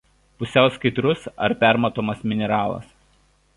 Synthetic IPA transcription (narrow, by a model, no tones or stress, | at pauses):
pʊsʲɛˑʊsʲkɐɪt̪ɾʊsɐ̰ɾpʲæˑɾmɐt̪oːmɐsmʲɪnʲɛɾɑːlˠɐ̰s